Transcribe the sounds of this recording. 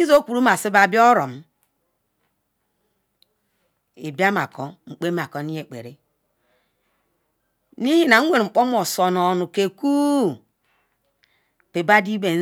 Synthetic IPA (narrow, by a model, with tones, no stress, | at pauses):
i˦zo˦kʷu˨ɾu˦m˦a˨si˦ba˨bi˦ɔ˦ɾo˨m˦ | i˨ba˦ma̰˨ko˨ŋ͡m̩˨k͡pe˦m˦a˨ko˨ni˦je˨k͡pḛ˨ɾe˦ | ni˦hi˦na˨ŋ̩˦wʷe˨ɾŋ͡m̩˨k͡po˦m˦o˨so˨nɔ˨nu˨ke˨ku˦ | pe˨ba˦di˦be˨˦